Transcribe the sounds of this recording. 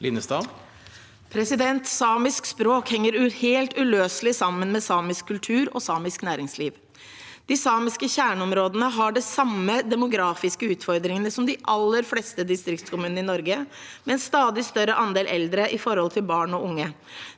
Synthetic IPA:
lɪnəst̪ɑː | pʰɾɛsɪd̪ɛnt̪sɑːmɪskspɾoːkhɛŋːəɾʉheːlt̪ʉløːslɪsɑmːənmɛsɑːmɪskʰːʉlt̪ʰʉːɾɔ̰sɑːmɪsknæːɾɪŋsliːʋ | d̪̥ɪsɑːmɪskəçæːɳəɔmɾoːd̪ənəɦɑɖɛsɑmːəd̪ɛmʊɡɾɑːfɪskəʉːt̪fɔɾd̪ɾɪŋənəsɔmd̪ɪʔɑlːəɾflɛst̪əd̪ɪst̪ɾɪk̚t̪skʰʊmʉːn̩ɪnɔɾɡəmɛɛnst̪ɑːd̪ɪst̪œɾəʔɑnd̪eːlʔɛld̪ɾəʔɪfɔɾhɔlt̪ʰɪlbɑːɳɔʊŋːə

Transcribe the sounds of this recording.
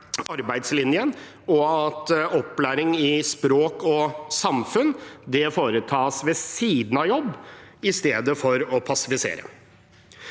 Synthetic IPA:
ɑɾbæɪd̪slɪnjən | ɔɑt̪ɔpːlæːɾɪŋɪspɾoːkɔsɑmfʉnd̪ɛfoːɾət̪ʰɑːsʋɛsiːd̪n̩ɑjɔbːɪst̪eːd̪əfɔɾɔpʰɑsɪfɪsḛːɾə̰

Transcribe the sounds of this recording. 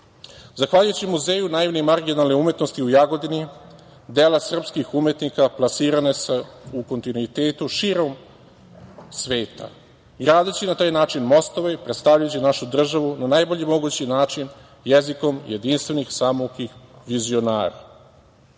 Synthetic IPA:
zaxʋaʎujt͡ɕimuze̞ːjunajiʋnemaɾɡinalˠneume̞t̪no̞st̪iujaɡo̞d̪ini | d̪elasr̩pskixume̞t̪nikaplˠasiːɾaneseuko̞nt̪inuit̪eːt̪uʃiɾo̞m | sʋeːt̪a̰ | ɡɾaːd̪at͡ɕinat̪aːjnaːt͡ʃinmo̞st̪o̞ʋepɾe̞t̪st̪aʋʎajut͡ɕinaʃud̪r̩ʒaʋunanajboʎemo̞ɡut͡ɕinaːt͡ʃin | jeziko̞mjed̪inst̪ʋe̞nixsamokixʋizio̞na̰ːɾa̰

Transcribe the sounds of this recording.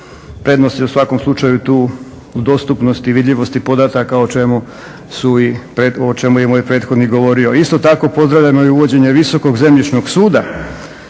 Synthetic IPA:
pɾe̞d̪nost̪eusʋako̞mslˠut͡ʃajut̪uː | ud̪o̞st̪upno̞st̪iʋid̪ʎʲiʋo̞st̪ipo̞d̪at̪akaot͡ʃemu | suipɾeot͡ʃe̞mujemoːjpɾe̞ːt̪xo̞d̪niɡo̞ʋo̞ɾio̞ist̪o̞t̪ako̞po̞zd̪ɾaʋʎamoiuʋo̞d͡ʑe̞ɲe̞ʋiso̞ko̞ɡze̞mʎit͡ʃnoɡsuːd̪a

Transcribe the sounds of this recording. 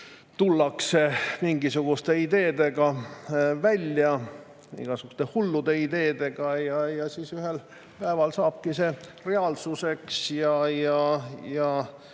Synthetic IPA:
t̪ulːɑkse̞miŋɡisuɡ̥ust̪e̞id̪e̞ːd̪̥e̞ɡɑ | vælʲjɑ | ḭɡ̥ɑsuɡ̥u̥st̪e̞hulːud̪̥e̞id̪e̞ːd̪̥e̞ɡ̥ɑjɑjɑsiːsyɦel | pæevɑlsɑːb̥̚kise̞re̞ɑlsuse̞ksjɑjɑjɑ

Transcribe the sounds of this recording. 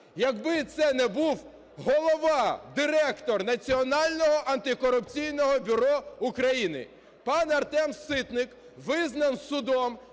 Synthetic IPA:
jɐɡbɪt̪sɛnɛbuw | ɦɔlˠɔʋɑd̪ɪɾɛkt̪ɔrnɐt͡sʲiɔnɑlʲnɔɦɔʔɐnt̪ɪkɔɾʊpt͡sʲijnɔɦɔbʲʊɾɔʊkɾɐjinɪ̰ | pɑnɐrt̪ɛmsɪt̪nɪk | ʋɪznɐnssʊd̪ɔm

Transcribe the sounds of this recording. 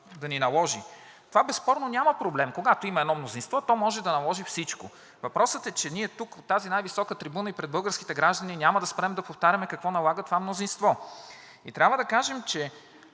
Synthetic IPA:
d̪ɐninɐlˠɔʒi | t̪ovabɛspɔɾnonʲamɐpɾoblɛmkoɡat̪oimɐɛd̪nɔmnozinst̪vɔt̪ɔmɔʒɛd̪ɐnɐlˠɔʒifsit͡ʃko̰ | vɐpɾɔsət̪ɛt͡ʃɛniɛt̪ukot̪ːazinajvisɔkət̪ɾibunəipɾɛd̪̚bɤlˠɡəɾski̥t̪ɛɡɾaʒd̪ɐninʲaməd̪ɐspɾɛmd̪ɐpoft̪aɾʲɐmɛkɐkvɔnɐlˠaɡət̪ovamnozinst̪vɔ | it̪ɾʲabvəd̪ɐkaʒɛmt͡ʃɛ

